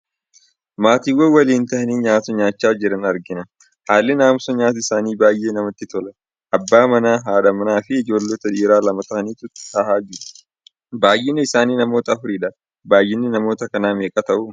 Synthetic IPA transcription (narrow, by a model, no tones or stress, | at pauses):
maːt̪iːwːɐwɐliːnt̪ɐʔɐniːɲaːt̪ʊɲaːt͡ʃːaːd͡ʒɪɾɐnɐɾɡɪnɐ | haːlːɪnaːmsɔɲaːt̪ɐɪsaːniːbaːjʔe̞ːnɐmɐt̪ːɪt̪ɔlɐ | ʔɐbːaːmɐnaːɦaːᶑɐmɐnaːfɪɪd͡ʒo̞ːlːot̪ɐᶑiːɾaːlɐmɐt̪ɐʔɐniːt̪ʊt̪ːɐhaːd͡ʒɪɾʊ | baːjːɪnːɪɪsaːniːnɐmo̞ːt̪ɐːfʊɾiːᶑɐ | baːjːɪnːɪnɐmo̞ːt̪ɐkɐnaːmeːkʼɐt̪ɐʔʊ